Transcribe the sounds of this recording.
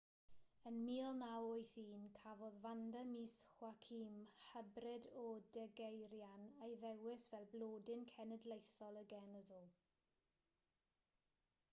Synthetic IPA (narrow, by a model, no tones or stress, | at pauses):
ənmiːlˠnawojθiːnkʰavɔðvandəmiːsχwakʰiːmhəbrɪdɔdɛɡejɾjanejðɛwɪsvɛlˠbloːdɪnkʰɛnədlˠejθɔlˠəɡɛnəðəlˠ